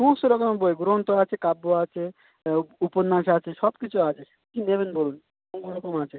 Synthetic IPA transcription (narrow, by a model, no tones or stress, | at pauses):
ʃũsoɾɔkomeboeɡɾoɦont̪oat͡ʃʰekabːoat͡ʃʰe | uponːaʃat͡ʃʰeʃɔbkit͡ʃʰuat͡ʃʰe | kinebenbolun | oŋɡoɾɔkomat͡ʃʰe